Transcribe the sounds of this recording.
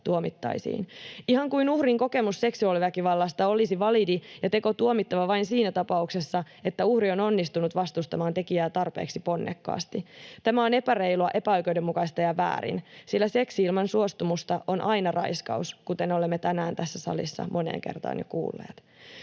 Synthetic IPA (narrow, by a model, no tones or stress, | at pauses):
t̪uomit̪ːɑ̰isḭːnihɑŋkuinuhriŋko̞ke̞musːe̞ksuɑliʋækiʋɑlːɑst̪ɑo̞lisiʋɑlidijɑt̪e̞ko̞t̪uomit̪ːɑʋɑʋɑinsiːnæt̪ɑpɑukse̞sːɑ | e̞t̪ːæuhrio̞no̞nːist̪unut̪ʋɑst̪ust̪ɑmɑːnt̪e̞kiæːt̪ɑrpeːksipo̞nːḛkːɑ̰ːst̪it̪æmæo̞ne̞pære̞iluɑʔe̞pæojkoɥdemːukɑist̪ɑjɑʋæ̰ːɾḭnsilːæse̞ksiːlmɑnsuost̪umust̪ɑʔo̞nʔɑjnɑrɑ̰jskɑ̰uskut̪eno̞lemːet̪ænæːnt̪æsːæsɑ̰lḭsːɑ̰mʔo̞nḛːŋkḛrt̪ɑ̰ːnjo̰kṵːlːḛːt̪